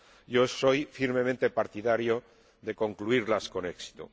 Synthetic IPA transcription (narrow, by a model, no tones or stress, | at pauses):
ʝo̞so̞jfiɾme̞mẽnt̪e̞paɾt̪iðaɾjo | ðe̞ko̞ŋkluiɾlasko̞ne̞ksi̥t̪ṵ